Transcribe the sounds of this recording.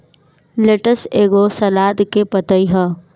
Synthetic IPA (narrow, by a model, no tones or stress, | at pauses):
leːʈəseːɡosɐlaːd̪kepɐt̪əiɦɐː